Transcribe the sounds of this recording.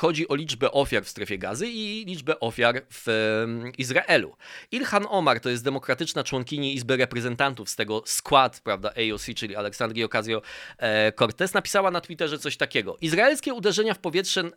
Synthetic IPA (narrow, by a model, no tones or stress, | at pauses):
xɔd͡ʑiʔɔlʲid͡ʐbɛʔɔfʲjaɾfst̪ɾɛfʲjɛɡa̰zɘilʲid͡ʐbɛʔɔfʲjaɾv̥ | izɾaʔɛlṵilxanɔmaɾt̪ɔjɛst̪d̪ɛmɔkɾat̪ɘt͡ʂnat͡ʂwɔŋkʲiɲiizbɛɾɛpɾɛzɛnt̪ant̪ufst̪ɛɡɔskwat̪pɾavd̪aʔɛjɔsʲit͡ʂɘlʲialɛksand̪ɾʲiɔkazjɔ | kɔɾt̪ɛsnapʲi̥sawanat̪wit̪ɛʐɛt̪sɔɕt̪akʲɛɡɔ̰ʔizɾaɛlskʲɛud̪ɛʐɛɲafpɔvʲjɛtʂɛ